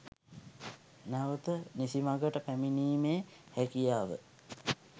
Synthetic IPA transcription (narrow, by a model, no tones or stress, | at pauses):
nɛʋət̪ənisimaɡəʈəpæminiːmeːhækijaːʋə̰